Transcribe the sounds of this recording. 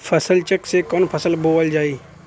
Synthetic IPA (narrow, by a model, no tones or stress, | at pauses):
fʰɐsəlt͡ʃəksekɔːnpʰɐsəlboːʋəld͡ʒaːiː